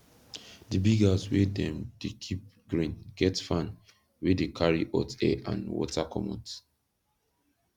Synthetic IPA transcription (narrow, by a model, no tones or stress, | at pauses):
dibiɡazwedɛ̃mdekʰip̚ɡ̥ɹĩnɡ̥ɛtfãn | widəkʰaɹiʔɔtɛʔã̰nwɔ̰takʰɔ̰mɔ̰̃t